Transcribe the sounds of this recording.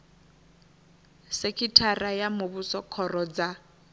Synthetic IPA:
sekʰʼitʰarajamʊbusɔkʰɔrɔd͡za

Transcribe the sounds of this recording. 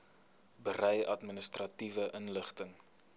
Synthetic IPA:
bərɛjʔɐ̰tminəstrɐtivəʔənləχtəŋ

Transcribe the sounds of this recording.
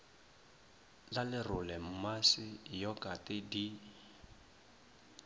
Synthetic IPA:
lalɪrʊlɛm̩masɪjɔkʼatʼɪdi

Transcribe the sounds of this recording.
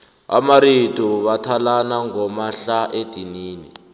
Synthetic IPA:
a̰maɾituβatʰalanaŋɔmaɬaʔed̥ʱiniːnḭ

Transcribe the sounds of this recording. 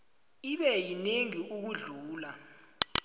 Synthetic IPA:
iɓɛjineŋiʔuk̬uɮuːla

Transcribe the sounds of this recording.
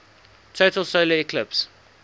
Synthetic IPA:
tʰotəlˠsoʊləikʰlɪps

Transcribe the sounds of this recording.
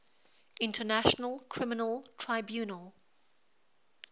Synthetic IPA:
ɪ̃ntʰənaʃənəlˠkʰɹ̥ɪmɪnəlˠtʰɹ̥aɪbjʉːnəlˠ

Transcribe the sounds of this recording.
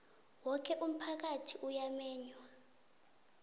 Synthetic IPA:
wɔkʰɛʔum̩pʰak̬atʰiʔujamɛːɲwa

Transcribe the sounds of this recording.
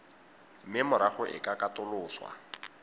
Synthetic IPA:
mɪmʊɾaχʊʔɪ̰kʼakatʊlʊːswa̰

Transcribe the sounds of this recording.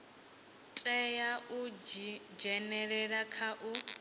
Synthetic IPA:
tʼɛjaʔu | d͡ʒɛnɛɺɛɺakʰaʔu

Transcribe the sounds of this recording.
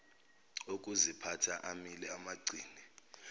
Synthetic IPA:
ok̬ʼuzipʰatʰaʔamilɛamaɡ͡ǀʱiːni

